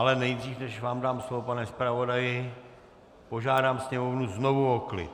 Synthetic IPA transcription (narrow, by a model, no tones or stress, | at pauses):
alɛnɛjdriːfnɛʃvaːmdaːmslovopanɛspɾavo̞dajɪ | po̞ʒaːdaːmsɲɛmovnuznovuoklɪ̰